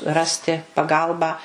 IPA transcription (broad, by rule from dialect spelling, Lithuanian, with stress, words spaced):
ˈrɑːsʲtʲɪ pɐˈɡɐlˠbɑː